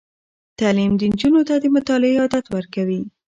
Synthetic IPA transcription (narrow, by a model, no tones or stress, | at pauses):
t̪alimd̪ənd͡ʒunot̪ad̪əmʊt̪ɑlɪeɑd̪at̪wəɾkawi